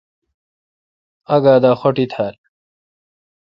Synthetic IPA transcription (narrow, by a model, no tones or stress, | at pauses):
ɐɡaːd̪aːxoʈit̪ʰaːl